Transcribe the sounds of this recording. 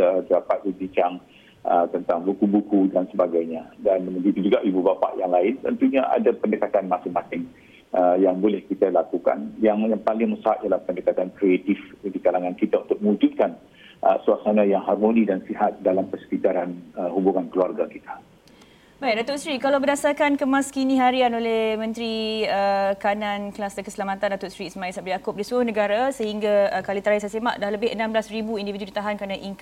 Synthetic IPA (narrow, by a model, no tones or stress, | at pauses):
ət̪ədapat̪̚bəbiɲt͡ʃaŋ | ət̪ənt̪aŋbukubukudansəbaɡajɲãdanməɡit̪ud͡ʒuɡaʔibubapa̰ʔjaŋlaɪnt̪ə̰nt̪uɲaʔa̰dapəndəkat̪anmasɪŋmasɪŋ | əjaŋbolɛhkit̪alakuka̰njaŋjaŋpalɪŋmə̃saat̪jalahpəndəkat̪ankɾeat̪ɪfdikalaŋankit̪aunt̪ʊk̚mə̃ud͡ʒut̪̚kan | ʔə̰suasanãjaŋharmonĩdansihat̪̚dalampəsə̥pit̪aɾanəhubuŋankəluarɡakit̪ʰḁ | bajʔ̚dat̪ʊsɾikalawbədasarkankəmãskinĩɦaɾianolɛhmə̃nt̪ɾiəkananklasd̪əkəsəlamat̪andat̪ʊsɾisəmãisap̚did͡ʒakʊp̚disʊhnəɡaɾasəhiŋɡaəkalit̪əɾaisajsema̰ʔdahləbɪhənãmblasribuindividudit̪aɦankɾanaʔiŋk